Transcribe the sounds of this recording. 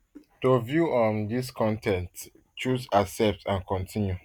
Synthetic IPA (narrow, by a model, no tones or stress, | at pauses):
tovjuʔɔ̃ndis̬kʰɔ̃ntɛ̃nt | t͡ʃuzasɛp̚tʰãnkɔ̃ntʰĩnju